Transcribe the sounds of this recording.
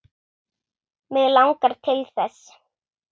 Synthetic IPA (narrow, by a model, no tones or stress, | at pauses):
mɛðlawŋkaɾ̥t̪ʰɪlθɛs